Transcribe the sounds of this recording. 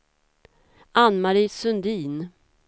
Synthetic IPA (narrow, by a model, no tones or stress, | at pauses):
anmaɾiːsɵnd̪iːn